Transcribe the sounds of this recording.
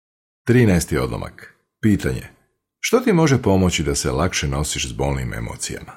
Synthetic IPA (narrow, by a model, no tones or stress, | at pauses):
t̪ɾiːnɛjst̪io̞d̪lˠo̰mʔa̰k | piːt̪aɲḛ | ʃt̪ot̪imo̞ʒepo̞mo̞t͡ɕid̪ase̞̰lakʃeno̞siʃzbo̞lˠnimʔe̞̰moːt̪sija̰ma